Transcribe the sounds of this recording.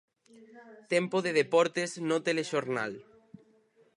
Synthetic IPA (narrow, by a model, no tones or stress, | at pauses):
t̪ɛmpoðeðepɔɾt̪eznot̪eleʃoɾna̰l